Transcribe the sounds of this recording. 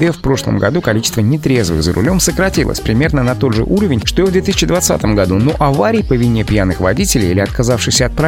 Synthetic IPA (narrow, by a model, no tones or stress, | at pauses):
ɛfpɾo̞ʂlˠə̰mɡɐ̰d̪ukɐlʲit͡ɕɪ̥st̪vənʲɪt̪ɾʲe̞zvɨ̰ɣzəɾʊ̰lʲo̞msəkɾɐtʲilˠə̰sʲpɾʲɪmʲe̞rnənɐt̪o̞d̪ʐɨ̰ʔuɾəvʲɪnʲʂt̪ojovd̪vʲet̪ɨisʲɪ̥t͡ɕːɪd̪vɐt̪sa̰t̪əmɡɐd̪uno̞ʔɐvaɾʲɪjpəvʲɪnʲepjanɨxvɐ̰dʲitʲɪlʲɪ̰jilʲɪɐt̪̚kɐzafʂɨxsʲəɐt̪̚pɾa